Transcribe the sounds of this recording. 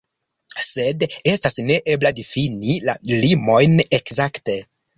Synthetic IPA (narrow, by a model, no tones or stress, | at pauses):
se̞de̞stasne̞ʔe̞bladifinilalimo̞jne̞kzakte̞